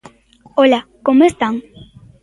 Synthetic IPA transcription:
olakomest̪aŋ

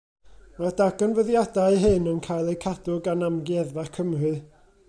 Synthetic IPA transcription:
madaɡɔnvəðjadajɦɨnənkʰajlˠejkʰadʊɡanamɡiɛðvakʰəmrɨ

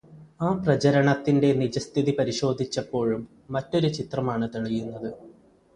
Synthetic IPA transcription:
aːprɐd͡ʑɐɾɐɳɐt̪ːinde̞nid͡ʑɐst̪ʰiðipɐɾiɕo̞ːd̪ʱit͡ɕːɐpːo̞ːɻumː | ɐtːo̞ɾut͡ɕit̪rɐmaːɳɨt̪iɭijunːɐðɨ

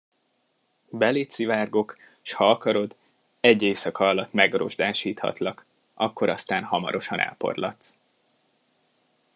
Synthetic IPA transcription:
bɛleːt̪sivaːrɡo̞k | ʃhɒɒkɒɾo̞d̪ | ɛɟːeːsɒkɒɒlːɒt̪mɛɡro̞̰ʒd̪aːʃiːt̪hɒ̰t̪lɒk | ɒkːo̞ɾɒst̪aːnhɒmɒ̰ɾo̞ʃɒnʔɛ̰lpo̞̰rlɒ̰t̪s

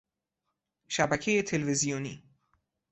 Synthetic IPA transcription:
ʃæbækʰejet̪ʰelvezijoniː

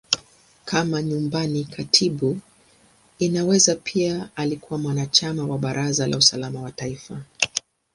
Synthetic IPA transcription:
kʰamaɲumbanikʰatʰiɓu | inawɛzapʰiaalikuwamwanat͡ʃamawaɓaɾʔazalʔa̰usalamawataifa

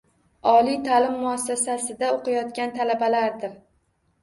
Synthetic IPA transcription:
ɒlit̪ʰalɪmːʊasːasasɪd̪aoqʰɑjɒt̪kʲant̪ʰalabalaɾd̪ɪɾ

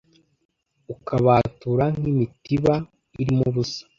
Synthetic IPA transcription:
ukaβaːtuːɾaŋ̥imitiβa | iɾimuβusḁ

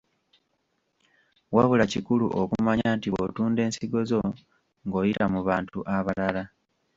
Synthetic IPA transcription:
waβulacikuluʔokumaɲantiβo̰tuːnde̞ːnsiɡo̞zo̞ | ŋɡo̞ːjitamuβaːntuʔaβalala

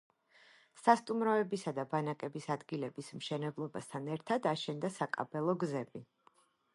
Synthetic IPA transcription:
sast̪ʼumɾɔɛbisad̪abanakʼɛbisad̪ɡilɛbismʃɛnɛblˠɔbast̪ʰanɛɾt̪ʰad̪aʃɛnd̪asakʼa̰bɛlˠɔɡzɛbi

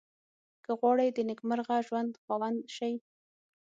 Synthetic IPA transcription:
kəɣwɑɽəjd̪ənɪkməɾɣaʒwand̪xɑwand̪ʃaj

